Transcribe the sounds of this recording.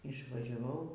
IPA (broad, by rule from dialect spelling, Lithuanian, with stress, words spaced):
ɪʃʋɐʒʲɛˈʋɐʊ